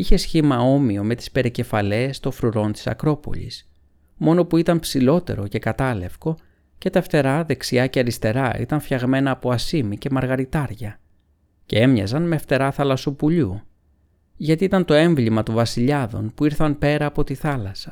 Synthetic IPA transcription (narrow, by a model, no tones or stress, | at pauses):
içe̞sçimɐo̞mio̞me̞t̪i̥spe̞ɾece̞fɐle̞st̪o̞fɾuɾo̞nt̪i̥sɐ̰kɾo̞po̞̰ʎḭs | mo̞no̞puit̪ɐmpsilo̞t̪e̞̰ɾo̞ce̞kɐt̪ɐle̞fko̞ | ce̞t̪ɐeft̪e̞ɾɐðe̞ksiɐceɐɾist̪e̞ɾɐḭt̪ɐɱfçɐɣme̞nɐːpo̞ɐsimice̞mɐɾɣɐɾit̪ɐɾʝɐ | ce̞̰e̞mɲɐzɐnmeːft̪e̞ɾɐθɐlɐsopuʎu | ʝɐt̪iit̪ɐnt̪o̞e̞ɱvlimɐt̪ovɐsiʎɐðo̞̰npuiɾθɐnpe̞ɾɐːpo̞t̪iθɐlɐsɐ̥